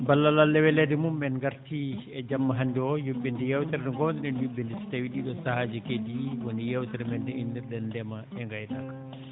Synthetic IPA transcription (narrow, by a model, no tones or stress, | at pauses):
balːalalːɛwɛlɛdimumːɛnɡaɾtiɛd͡ʒamːaɦandiɔjubːɛndijɛwtɛɾɛɗɔŋɡɔndiɗɛnjubːɛndisi̥tawiɗiɗɔsahaːd͡ʒikediwonijɛwtɛɾɛmɛndɛindiɾɗɛndɛmaɛŋɡajtakːḁ